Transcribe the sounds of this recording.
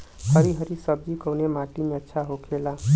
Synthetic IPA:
kʰʌɾiɦəɾisəb̚d͡ʒikəwnemaʈimeətːʃʰaɦokʰela

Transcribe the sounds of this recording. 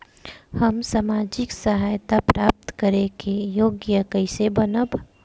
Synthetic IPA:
həmsamaːd͡ʒɪksəɦaːjt̪apɾaːp̚t̪kəɾekejoːɡjəkəɪsebənəb

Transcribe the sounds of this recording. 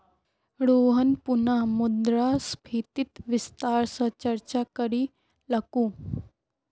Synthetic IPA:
ɽoɦənpunamud̪ɾaspʰit̪it̪ʋist̪aɾsət͡ɕəɾt͡ɕakəɾiː | lakũː

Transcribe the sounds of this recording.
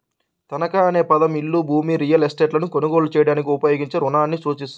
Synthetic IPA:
t̪ɐnɐkaːɐne̞ːpɐd̪ɐmiɭːuːbʱuːmiɾijɐlesʈeːʈlɐnuko̞nuɡo̞ːlut͡ʃɛːjɐɽaːnik̬iupɐjoːɡiɲt͡ʃeɾunaːnːisuːt͡ʃist̪u

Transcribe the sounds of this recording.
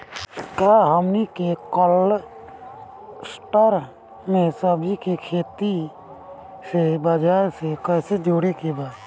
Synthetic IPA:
kaɦəmnikekəl | sʈəɾ | mẽsəbʱikikʰeːt̪i | sebəd͡ʒaːɾsekɛːsed͡ʒoːɽekebaːt̪

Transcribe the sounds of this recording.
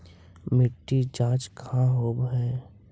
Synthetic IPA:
mɪʈːid͡ʒãːt͡ʃkəɦãɦoːbɦɛː

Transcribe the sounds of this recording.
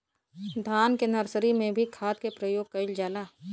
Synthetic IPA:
d̪ʱaːnkenɐɾsɾimẽbʱikʰaːt̪̚kepɾəjoːɡ̚kɐɪld͡ʒaːlaː

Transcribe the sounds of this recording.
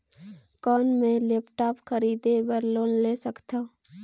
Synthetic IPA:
kɔːnmẽlepʈaːpxkʰəɾiːd̪ewəɾloːnleːsəkt̪aː

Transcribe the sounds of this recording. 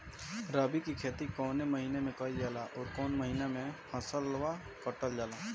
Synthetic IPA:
ɾaːbikikʰeːt̪ikɔːneməɦiːnemẽkəid͡ʒaːlaʔɔːɾkɔːnməɦiːnamẽhʰə̃səlwa | kəːʈəld͡ʒaːlaː

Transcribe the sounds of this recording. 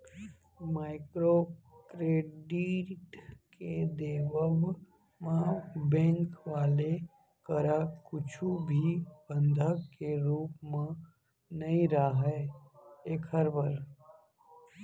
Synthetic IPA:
maːɪkɾokɾeːɖiʈked̪eːʋəb | mãbɛ̃ːŋkʋaːle | kəɾakʊt͡ʃʰubʱibə̃nd̪ʱəkkːeɾuːpmẽ | nəĩɾaɦɛ | eːkʰəɾbəɾ

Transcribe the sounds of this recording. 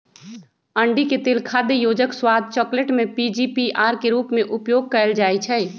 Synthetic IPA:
ə̃ɳɖiket̪eːlkʰaːd̪ejoːd͡ʒəkswaːd̪̚ʱt͡ʃɔːkləʈmẽpid͡ʒipiʔaːɾkeɾuːpmẽʔʊpjoːɡ̚kəld͡ʒaːit͡ʃʰɛː

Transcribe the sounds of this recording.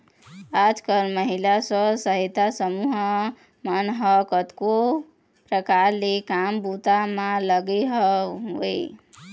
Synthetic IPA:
ad͡ʒkəlməɦilasəsəɦit̪asəmuɦ | mənɦʌkət̪ko | pɾəkaɾlekambut̪amãləɡeɦʌɦoj

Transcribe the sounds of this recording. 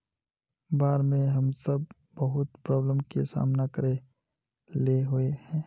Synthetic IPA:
baːɾmẽɦəmsəb̚ː | əɦʊt̪pɾɔːbləmkesa̰ːmnakəɾe | leɦʊehɛ̃ː

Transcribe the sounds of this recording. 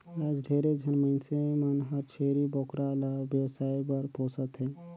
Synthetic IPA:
ad͡ʒɖʱeɾed͡ʒʱənməɪnsemənɦəɾt͡ʃʰeɾibɔkɾalabjəwsaibəɾposət̪ɦɛ

